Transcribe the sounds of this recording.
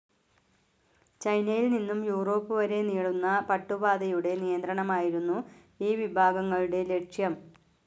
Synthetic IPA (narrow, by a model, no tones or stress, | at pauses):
t͡ɕɐjnɐjilninːumjuːro̞ːpːɨʋɐɾe̞niːɽunːɐpɐʈːubaːd̪ɐjuɽe̞nijɐnd̪ɾɐɳɐmaːjiɾunːu | iːʋibʱaːɡɐŋːɐɭuɽe̞le̞ʈʂjɐm